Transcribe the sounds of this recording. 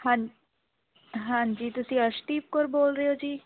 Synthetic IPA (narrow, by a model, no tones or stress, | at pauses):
hã | ɦãːɲd͡ʒiːt̪ʊsĩːəʃʈ̪iːp̚koɾboːlɾəjoːd͡ʒiː